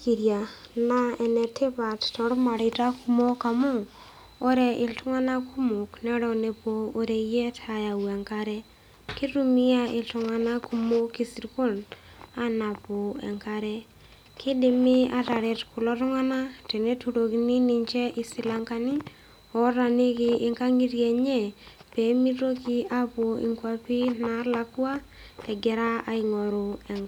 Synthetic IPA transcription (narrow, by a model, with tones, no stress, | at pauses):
ki˨ɾja˨na˦ɛ˨nɛ˨tʰe˦pa˨ttɔ˨ɾma˨ɾɪ˨ta˦ku˨mo˦ka˨mo˦ | ɔ˦ɾɛ˨ʔɪ˨ltʊ˦ŋa˦na˦ku˦mo˨knɛ˦ɾɔ˦ne˨poː˨ɾɛ˨jɛ˦ta˨ja˨wa˨ŋka˨ɾɛ˦ | ki˦ɾu˦mi˦a˦ɪ˨ltʊ˨ŋa˦na˦ku˦mo˦ki˦si˨ɾko˦n | a˦na˨pɔ˨ɛ̰˨ŋka˨ɾɛ˦ | kʰɪ˦dɪ˨mɪ˦a˨ta˨ɾɛ˨tkʊ˨lɔ˦tʊ˦ŋa˦na˦tɛ˨ne˦tu˨ɾo˨kini˦nɪ˨ɲt͡ʃɛ˦ʔɪ˦sɪ˦la˦ŋka˦ni˦ | ɔ˨ɾa˨ni˦kɪʔɪ˦ŋka˦ŋi˦ɾje˨ɲɛ˦˨pe˨˦mi˦ɾo˦ki˦a˦po˨ḭ˨ŋkwa˦pi˦na˨˦la˦kwa˦ | kɛ˨ɡɛ˨ɾa˦a˨ɪ˨ŋɔ˨ɾu˨ɛ˨ŋ